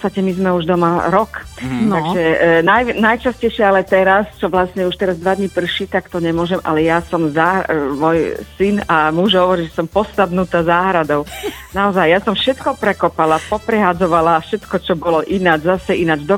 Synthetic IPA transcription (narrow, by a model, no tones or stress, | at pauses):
ɔst̪acɛmizmɛuʒd̪ɔmaɾɔktnaɡʒɛnajnajt͡ʃascɛjʃɪaalɛt̪ɛɾast͡ʃɔʋlasɲɛuʃt̪ɛɾazd̪ʋad̪ɲipr̩ʃit̪akt̪ɔɲɛmʊɔʒɛma̰lɛjasɔmzaːɦmɔjsinamuʒɦɔʋɔɾiʒɛsɔmpɔst̪ad̪nut̪azaːɦɾad̪ɔʊnaɔzajːasɔmfʃɛt̪kɔpɾɛkɔpalapɔpɾɛɦad͡zɔʋalaʃɛt̪kɔt͡ʃɔbɔlɔʔinad͡ʒzasɛinad͡ʒd̪ɔ